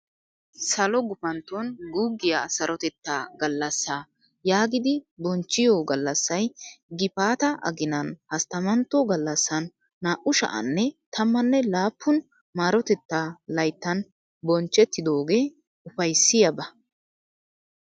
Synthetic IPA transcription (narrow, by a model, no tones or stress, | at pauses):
sɐlɔɡʊpɐnt̪onɡuɡːɪjasɐɾʔɔt̪ɛt̪ːaːɡɐlːɐsːaː | jaːɡɪd̪ɪbɔnt͡ʃːɪjoːɡɐlːɐsːɐjɡɪpaːt̪ɐʔɐ̰ɡɪnɐnhɐst̪ɐmɐnt̪ːoɡɐlːɐsːɐnː | aːʔʊʃɐ̰ʔɐ̰nːɛt̪ʰɐmːɐnːɛlaːpʰːʊn | maːɾɔt̪ɛt̪ːaːlɐjt̪ːɐn | bɔnt͡ʃːɛt̪ːɪd̪o̞ːɡeː | ʊfɐjsːɪjɐbɐ